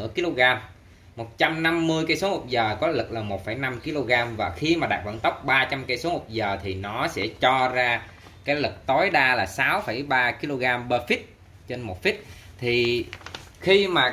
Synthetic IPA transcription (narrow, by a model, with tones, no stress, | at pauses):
əki˧lo˧ɣaː˧mː | o˨˩t̚t͡ɕa˧mna˧mːɨ˧əjka˧˦so˨˦ho˨˩p̚zəː˨˩kɔ˨˦lɨ˨˩k̚laː˨˩mo˨˩t̚fə˧˩jna˧mki˧lo˧ɣaː˧mvaː˨˩xi˧maː˨˩ɗaː˨˩və̰˧˨nt̪ə˦˥wk͡p̚ɓaː˧t͡ɕa˧mka˧˩jso˨˦ho˨˩p̚zəː˨˩t̪ʰi˨˩nɔ˨˦sɛ̰˧˥t͡ɕɔ˧zaː˧ | kaː˨˦jlɨ˨˩k̚t̪o˨˦jɗaː˧laː˨˩saː˨˦wfə˧˩jɓaː˧ki˧lo˧ɣaː˧mɓəː˧fi˦˥t̚ | t͡ɕe˧nmo˨˩t̚fi˦˥t̚ | t̪ʰi˨˩ | xi˧maː˨˩